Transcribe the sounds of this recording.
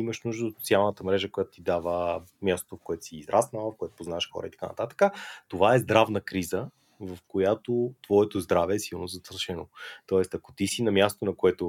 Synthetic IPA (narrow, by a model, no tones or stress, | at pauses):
iməʃnuʒd̪əot̪so̥t̪sialˠnət̪əmɾɛʒəkojat̪o̥t̪id̪avəmʲjast̪o̥t̪ofkoɛt̪o̥siːzɾʔasnəlˠəfkoɛt̪o̥poznaɛʃxɔ̰ɾə̰it̪ɐ̥ka̰nɐ̰t̪at̪ə̥kət̪ovaɛzd̪ɾavnəkɾizə | vɐfkojat̪ot̪vɔɛt̪ozd̪ɾavɛːsilˠnozɐt̪əɾʃɛno̰t̪ɔɛst̪ɐko̥t̪isinɐmʲjast̪onɐkoɛt̪o